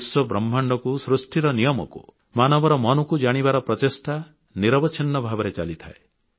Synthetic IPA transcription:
swɔbɾɔmːʱɔɳɖɔkusɾusʈʰiɾɔnijɔmɔ̰kṵ | manɔbɔɾɔmɔnɔkud͡ʒaɽ̃ibaɾɔpɾɔt̪esʈa | niɾɔbɔt͡ʃʰinːɔbʱabɔɾet͡ʃalit̪ʰae

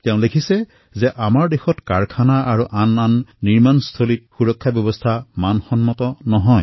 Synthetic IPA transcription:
tɛʊ̃lekʰisɛ | zɛʔamaɹdexɔtkaɹkʰanaaɹuʔananːiɹmanst̪ʰolit̚xuɹɔkʰːabjɔbɔst̪ʰamanxɔnmɔtɔnɔɦɔj

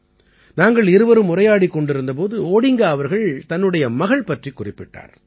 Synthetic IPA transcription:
naːŋɡɐɭɪɾɯʋɐɾɯmʊɾrɐjaːɽikːɔɳɖɪɾɯnd̪ɐp̬oːðɯoːɽɪŋɡaːɐʋɐɾɣɐɭt̪ɐnːɯɽɐjɐmɐɣɐɭpɐʈrikːʊrɪpːɪʈːa̰ːɾ

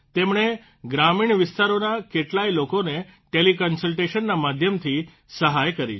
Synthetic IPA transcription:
t̪emɳe | ɡɾamiɳʋɪst̪aɾonakeʈlailokoneʈelikənsəlʈeʃənːamad̪ʱjəmt̪ʰi | səɦajkəɾḭ

